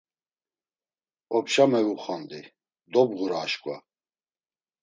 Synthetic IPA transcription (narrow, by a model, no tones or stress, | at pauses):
ɔpʃamɛvuχand̪i | d̪ɔbʁuɾaːʃkʷʼwa̰